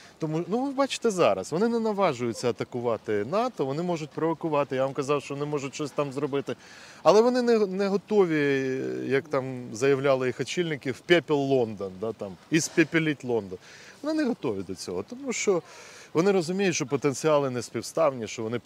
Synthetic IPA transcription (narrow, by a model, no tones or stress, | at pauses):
t̪ɔmunuʋɪbɑt͡ʃɪ̥t̪ɛzɑɾɐ̰sʋɔnɪnɛnɐʋɑʒʊjʊt͡sʲːɐɐt̪ɐkʊʋɑt̪ɪnɑt̪ɔʋɔnɪmɔʒʊtʲpɾɔʋɔkʊʋɑt̪ɪjaʋamkɐzɑwʃt͡ʃɔʋɔnɪmɔʒʊtʲt͡ʃɔsʲt̪ɑmzɾɔbɪt̪ɪ | ɐlˠɛʋɔnɪnɛɦnɛɦɔt̪ɔʋʲijɐkt̪ɑmzɐjɐwlʲalˠɪjixɐt͡ʃilʲnɪkʲɪwpʲɛpʲilˠːɔnd̪ɔnd̪ɑt̪ɑmispʲepʲilʲitʲlˠɔnd̪ɔnʋɔnɪnɛɦɔt̪ɔʋʲid̪ɔt͡sʲɔ̰ɦɔt̪ɔmuʃt͡ʃɔʋɔnɪɾɔzʊmʲijʊtʲʃt͡ʃɔpɔt̪enʲt͡sʲiɑlˠɪnɛsʲpʲiwst̪ɑwnʲiʃt͡ʃɔʋɔnɪ